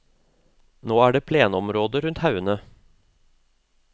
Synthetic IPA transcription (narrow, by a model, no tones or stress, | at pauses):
noːæːɖeːpʰleːnɔmɾoːd̪əɾʉnt̪hɑʉənə